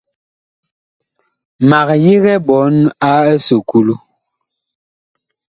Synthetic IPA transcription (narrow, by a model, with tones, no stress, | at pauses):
ma˨k̚ji˦ɣɛ˦bɔ˨˦na˦ɛ˦so˨ku˦lu˦